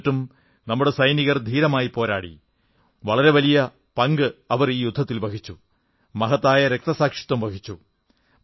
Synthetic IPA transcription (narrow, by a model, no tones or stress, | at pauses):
tːum | nɐmːuɽe̞sɐjniɣɐrd̪ʱiːɾɐmaːjipo̞ːɾaːɽḭ | ʋɐɭɐɾe̞ʋɐlijɐ | pɐŋɡɨɐʋɐriːjud̪ʱːɐt̪ːilbɐkʰit͡ɕːu | mɐɦɐt̪ːaːjɐɾe̞k̚t̪ɐsaːkʂi̥t̪ːɐmbɐɡʰʱit͡ɕːu